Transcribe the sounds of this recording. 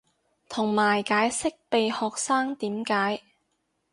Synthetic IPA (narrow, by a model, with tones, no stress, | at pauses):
t̪ʰʊ˨˩ŋmaː˨˩jkaː˨˥jsɪ˥k̚pe˨jhɔː˨k̚saː˥ŋt̪iː˨˥mkaː˨˥j